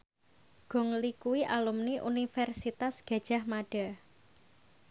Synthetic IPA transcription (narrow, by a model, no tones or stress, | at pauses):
ɡ̥ɔ̤ŋlikuwiʔalumniʔṵnifɛrsit̪asɡ̥ä̤̥ʒ̥a̤hmaɖ̥a